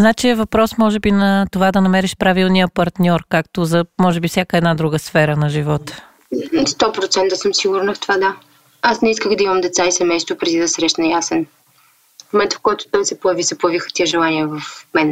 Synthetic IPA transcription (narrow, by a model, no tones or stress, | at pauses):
znat͡ʃiɛvɐpɾɔsmɔʒɛbinɐt̪ovad̪ɐnɐmɛɾiʃpɾavilˠnijəpɐɾt̪nʲɔɾkak̚t̪ozɐmɔʒɛbifsʲjakəɛd̪nad̪ɾuɡəsfɛɾənɐʒivɔt̪ə̥ | st̪ɔpɾot̪sɛnt̪ɐsəmsiɡʊɾnəft̪ovad̪a | asnɛiskəxd̪ɐimɐmd̪ɛt̪saisɛmɛjst̪vopɾɛd̪id̪ɐsɾɛʃnɐjasɛn | momɛnt̪fkɔjt̪ʊ̥t̪amsɛpʊjɛvisɛpʊjɛvixə̥t̪iɛʒɛlˠaniɛvɐfmɛn